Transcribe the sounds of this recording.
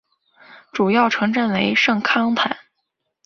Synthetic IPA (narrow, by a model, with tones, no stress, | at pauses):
ʈ͡ʂu˨˩jɑ˥˩ʊʈ͡ʂʰɤ˧˥ŋʈ͡ʂə˥˩nwe˧˥ɪʂɤ˥˩ŋkʰɑ˥ŋp̪ʰa˨˩˦n